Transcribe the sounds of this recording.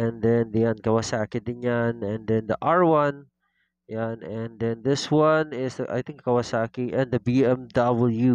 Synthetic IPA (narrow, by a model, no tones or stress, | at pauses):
ʔɛ̃nd̪ɛnd̪jankɐwasaːkɪd̪ɪnjanɛ̃nd̪ɛ̃nd̪ɐʔaɹwɐ̃n | janɛ̃nd̪ɛ̃nd̪ɪswɐnɪsʔa̰jt̪ɪ̃ŋkkɐwasakiʔɛ̃nd̪ɐbiɛmd̪abəlju